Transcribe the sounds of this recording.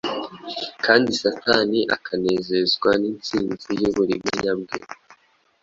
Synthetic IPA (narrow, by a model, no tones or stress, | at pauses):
kaːndisataniʔa̰kʰane̞ːze̞zɡwaniːnt͡siːnzujuβuɾimujabɡḛ